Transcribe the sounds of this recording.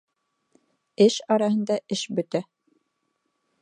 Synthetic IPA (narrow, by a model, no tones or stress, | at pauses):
ɘʃɑɾɑɦɤ̆nd̪ɑʔɘʃbɵ̆t̪æ